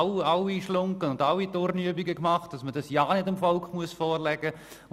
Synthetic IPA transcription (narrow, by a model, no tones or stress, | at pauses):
ɑwiʃlʊŋkənʊndɑwitoːɾnyəbiɡəkmɑχt̚d̥ɑsmədɑsjɑːnɪdɪmfɔlkχmuəsfɔːrlɛɡ̥ə